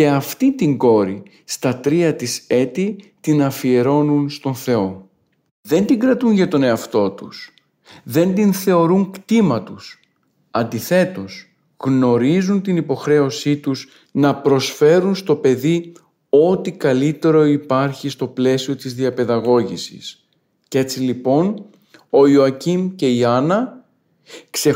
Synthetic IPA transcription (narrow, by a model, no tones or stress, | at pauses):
ce̞ɐft̪it̪iŋɡo̞ɾi | st̪ɐt̪ɾiɐt̪ise̞t̪it̪inɐfie̞ɾo̞nunst̪o̞nθe̞o̞ | ðe̞nd̪iŋɡɾɐt̪unʝɐt̪o̞ne̞ɐft̪o̞t̪us | ðe̞nd̪inθe̞o̞ɾuŋkt̪imɐt̪us | ɐnd̪iθe̞t̪o̞s | ɣno̞ɾizunt̪inipo̞xɾe̞o̞sit̪uz | nɐpɾo̞sfe̞ɾunst̪o̞pe̞ði | o̞t̪ikɐlit̪e̞ɾo̞ipɐɾçist̪o̞ple̞sio̞t̪izðiɐpe̞ðɐɣo̞ʝisḭs | ce̞t͡silipo̞n | o̞ioɐcimce̞iɐnɐ | kse